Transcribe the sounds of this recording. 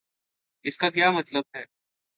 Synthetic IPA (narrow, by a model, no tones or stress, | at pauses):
ɪskak̬jaːmɐt̪ləb̚ɦɛː